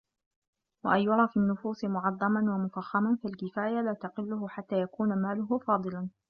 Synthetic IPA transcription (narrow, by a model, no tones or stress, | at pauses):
wa̰ʔajːʊɾˤɑːfinːʊfuːsɪmʊʕɑðˤːɑmanwamʊfaxːamanfalkɪfaːjalaːt̪aqɪlːʊɦʊħat̪ːaːjakuːnamaːlʊɦʊfɑːd̪ˤɨlan